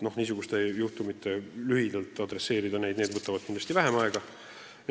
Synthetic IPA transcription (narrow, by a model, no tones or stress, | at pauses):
no̞hniːs̬uɡ̥ust̪ejuht̪umit̪ːˑe̞lyɦid̪ɑlt̪ˑɑd̪ɾe̞sːe̞ːɾid̪ɑne̞jd̪ned̪vɤt̪ːˑɑvɑd̪̥̚kind̪lɑst̪ivæɦemɑeɡ̥ɑ | j